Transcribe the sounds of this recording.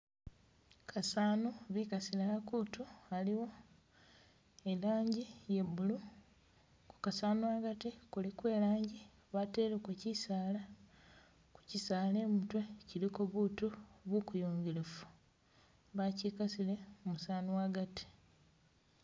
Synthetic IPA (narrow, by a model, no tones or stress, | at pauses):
kʰasaːnuβikasilaakutualiwo̞ | elaːɲɟije̞βulu | ku̥kasaːnuwaɡatikulikwe̞ːlaːɲɟi | βateːlekucisaːla | ku̥cisaːleːmutwecilikoβutuβukujoːŋɡelefu̥ | βacikasile̞musaːnuwaɡati̥